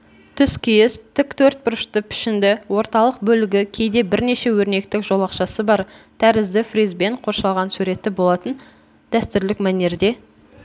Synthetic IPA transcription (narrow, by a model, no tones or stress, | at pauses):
t̪ʰʏskʲʰijɪst̪ʰɪkt̪ʰɵɾt̪̚bʊɾəʃt̪əpʰɪ̥ʃɪnd̪ɪwo̞ɾt̪ɑlˠəq̚bɵlɪɡʲɪkʲʰejd̪e̞bɪɾne̞ʃe̞wɵɾne̞k̚t̪ɪkʒ̥o̞lˠɑqʃɑsəbɑɾt̪ʰæɾɪzd̪ɪfrizbe̞ɴqʰo̞ɾʃɑlˠʁɑnsʉɾe̞t̪ːɪbo̞lˠɑt̪ən | d̪̥æst̪ʏɾlɪkmæne̞ɾd̪e̞